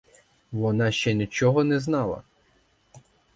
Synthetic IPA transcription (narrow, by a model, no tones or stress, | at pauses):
ʋɔnɑʃt͡ʃɛnʲit͡ʃɔɦɔnɛznɑlˠɐ̰